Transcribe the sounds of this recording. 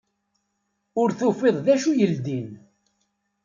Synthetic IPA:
ʊɾθufeðˤðæʃujəld̪in

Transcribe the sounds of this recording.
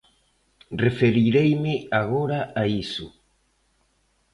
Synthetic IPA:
refeɾiɾejmɪaɣoɾaaisṵ

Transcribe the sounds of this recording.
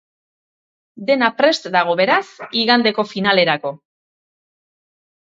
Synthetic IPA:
d̪e̞napɾe̞st̪d̪aɣ̞o̞βe̞ɾasiɣand̪e̞ko̞finale̞ɾako̞

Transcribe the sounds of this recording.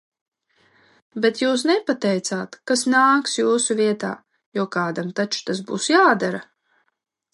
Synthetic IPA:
bet̪juːs̬nɛpat̪ɛjt̪saːt̪kasnaːksjuːsuviɛt̪a̰ː | juɔkaːd̪amt̪at͡ʃu̥t̪asbṵːsjaːd̪aɾa

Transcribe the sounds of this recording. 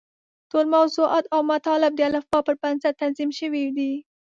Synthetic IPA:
t̪olmawzuʔɑt̪awmat̪ɑlɪb̚d̪əalafbɑpəɾpansat̪anzimʃəwid̪i

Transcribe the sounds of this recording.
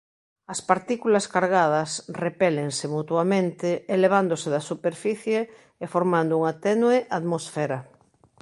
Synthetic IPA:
ɐspaɾt̪ikulɐskaɾɣ̞að̞ɐsrepɛleŋsemut̪wamẽnt̪eeleβ̞and̪oseðɐsupeɾfiθjeː | foɾmãnd̪ouŋat̪ɛnweʔaðmosfɛɾa

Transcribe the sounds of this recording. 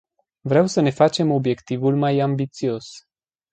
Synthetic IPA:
vɾeawsəne̞fat͡ʃe̞mo̞bje̞kt̪ivulmajambit̪sio̞s

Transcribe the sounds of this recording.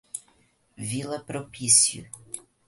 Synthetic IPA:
vilˠɐpɾopʲisjṵ

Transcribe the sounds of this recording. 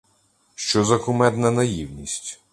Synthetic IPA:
ʃt͡ʃɔzɐkʊmɛd̪nɐnɐjiwnʲisʲtʲ

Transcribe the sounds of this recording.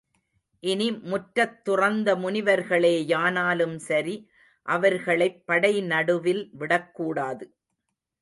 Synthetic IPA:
ʔɪnimʊʈːɾɐt̪ːʊrɐnd̪ɐmʊnɪʋɐɾɣɐɭeːjaːnaːlɯmsɐɾi | ʔɐʋɐɾɣɐɭɐɪpːɐɽɐɪnɐɽɯʋɪlʋɪɽɐkːuːɽaːðɯ

